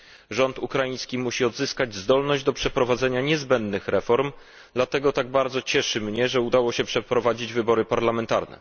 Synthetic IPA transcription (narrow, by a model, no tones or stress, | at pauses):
ʐɔnt̪ukɾajĩj̃skʲimuɕiɔd̪zɘskad͡ʑzd̪ɔlnɔʑd͡ʑd̪ɔpʂɛpɾɔvad̪zɛɲaɲɛzbɛnd̪nɘxɾɛfɔɾm | d̪lat̪ɛɡɔt̪aɡ̚baɾd̪zɔt͡ɕɛʂɘmɲɛʐɛud̪awɔɕɛpʂɛpɾɔvad͡ʑid͡ʑvɘbɔɾɘpaɾlamɛnt̪a̰ɾnɛ̰